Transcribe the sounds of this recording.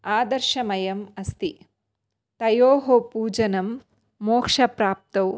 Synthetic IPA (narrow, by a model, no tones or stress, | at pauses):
aːd̪ɐɾʃɐmɐjɐmɐst̪i | t̪ɐjoːɦopuːd͡ʒɐnɐmː | oːkʂɐpɾaːp̚t̪ɐw